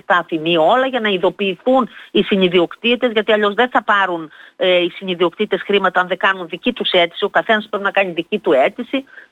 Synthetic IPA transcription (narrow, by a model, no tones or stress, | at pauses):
t̪ɐːθinio̞lɐʝɐnɐiðo̞piːθunisiniðio̞kt̪it̪e̞zʝɐt̪iɐʎo̞zðe̞nθɐpɐɾuneisiniðio̞kt̪it̪e̞sxɾimɐt̪ɐɐnðe̞kɐnunðicit̪use̞t̪i̥siokɐθe̞nɐspɾepinɐkɐɲiðicit̪ue̞t̪isi